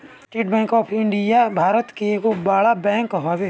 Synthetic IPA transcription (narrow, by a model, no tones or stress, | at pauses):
sʈeːʈbɛ̃ːŋkɔːpʰɪ̃ɳɖijabʱaːɾət̪kekobaːɭabɛ̃ːŋkɦaʋe